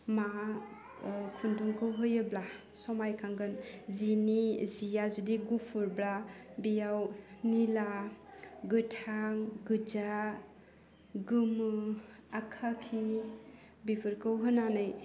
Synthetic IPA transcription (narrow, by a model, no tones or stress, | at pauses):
ma | kʰunduŋkʰɯwɦɯjɯbla | sɔmajkʰaŋɡɯnzinizijazudiɡupʰuɾblabijawnila | ɡɯtʰaŋɡɯd͡ʒa | ɡɯmɯakʰakʰi | bibʰɯɾkɯwɦɯnanɯj